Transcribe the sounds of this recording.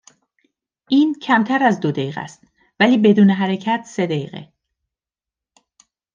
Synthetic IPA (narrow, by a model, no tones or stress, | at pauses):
ʔiːncʰæmt̪ʰæɾæzd̪od̪eiːɣæ̰st̪ | væliːbe̞d̪uːneɦæɾe̞cʰæt̪ʰse̞d̪eḭːɣḛ